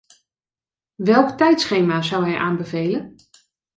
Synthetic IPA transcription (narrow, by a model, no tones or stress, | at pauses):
ʋɛlˠktɛjtsχejmaːzɑwɦɛjʔaːmbəvejlən